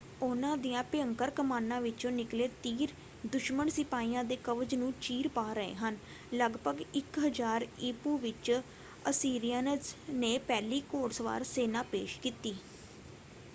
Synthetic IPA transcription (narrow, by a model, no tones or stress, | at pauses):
ʊnãːd̪ijãːpɪəŋkəɾkəmaːnːãːʋɪt͡ʃõːnɪkleːt̪iːɾ | d̪ʊʃmənsɪpaːiːãːd̪eːkəʋəd͡ʒnũːt͡ʃiːɾpaːɾəḛːɦən | ləɡbʱəɡɪkɦəd͡ʒaːɾɪːpuːʋɪt͡ʃ | əsiːɾijaːnəzneːpɛːliːkoːɽsʋa̰ːɾseːnãːpḛːʃkiːt̪iː